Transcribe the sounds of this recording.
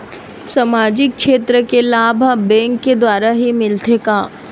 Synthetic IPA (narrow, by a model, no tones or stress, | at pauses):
samaːd͡ʒɪk̚ʃʰeːt̪ɾəkelaːbʱabɛ̃ːŋkːed̪waːɾaɦimɪlt̪ekaː